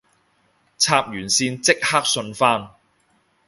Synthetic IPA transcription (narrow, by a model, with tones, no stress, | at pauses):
t͡sʰaː˧p̚jyː˨˩nsiː˧nt͡sɪ˥k̚haː˥k̚sɵ˧nfaː˥n